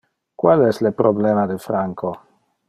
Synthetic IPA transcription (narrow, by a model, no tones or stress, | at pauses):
kwalɛslepɾobleːmad̪efɾaŋko